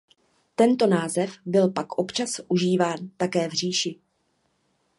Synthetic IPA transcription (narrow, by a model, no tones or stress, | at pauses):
t̪ɛnt̪o̞naːzɛfbɪlpakʔo̞pt͡ʃasʔuʒiːvaːnt̪akɛːvr̝iːʃɪ